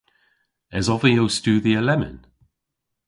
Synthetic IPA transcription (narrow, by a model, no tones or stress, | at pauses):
ɛzɔvəjowstuːðiəlɛmɪ̰n